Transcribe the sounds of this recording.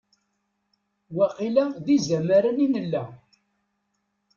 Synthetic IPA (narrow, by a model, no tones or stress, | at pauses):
wæqilæðizæmæɾəninəlːæ